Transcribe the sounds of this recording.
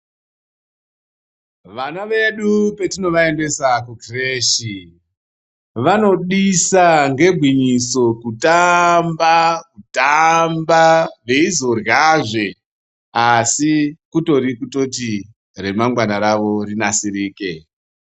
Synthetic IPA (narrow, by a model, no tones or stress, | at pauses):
ʋanaʋe̞ɗupe̞tino̞ʋae̞nde̞sakukreːʃi | ʋano̞ɗisaŋɡe̞ɡʱwiɲiso̞kutambakutambaʋe̞izo̞rjaʐe̞ | asikuto̞ɾikuto̞t̬i | ɾe̞maŋɡwanaɾaʋo̞rinasiɾiːke̞